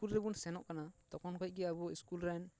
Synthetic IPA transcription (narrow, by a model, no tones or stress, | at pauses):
kulɾɛbunsɛnɔʔkanat̪ɔkɔnkɔj̚ɡɛabɔiskulɾan